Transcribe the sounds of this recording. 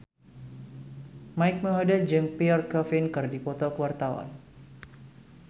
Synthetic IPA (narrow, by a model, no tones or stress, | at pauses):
maɪk̚məŋadad͡ʒəmpiɔrkafɪnkɨrdipɔt̪ɔkəwart̪awa̰n